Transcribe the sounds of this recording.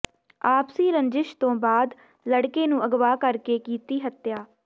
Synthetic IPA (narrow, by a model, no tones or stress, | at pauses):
aːpsiːɾəɲd͡ʒɪʃt̪õːbaːd̪ | ləɽkeːnũːəɡʋaːkəɾkeːkiːt̪iːɦət̪jaː